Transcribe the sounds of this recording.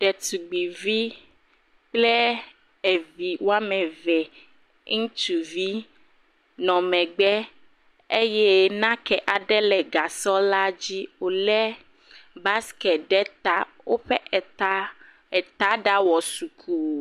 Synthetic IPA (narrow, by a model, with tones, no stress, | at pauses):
ɖɛ˨t̪u˨ɡ͡bi˨vi˦ | k͡plɛ˦ | e˨vi˨wo˦a˦mɛ̃˨vɛ˨˦ | ŋũ˦t̪u˨vi˦ | nɔ̃˨mɛ̃˨ɡ͡bɛ˦ | e˦jɛ˦nã˦kɛ˨ʔa˨ɖɛ˦lɛ˨ɡa˨sɔ˦la˦d͡ʑi˦wo˨lɛ˦ | ba˦skɛ˨ɖɛ˦t̪a˦ | wo˦ɸɛ˦ʔɛ˨t̪a˦ | ɛ˨t̪a˦ɖa˦wɔ˨su˨kʰu˦˨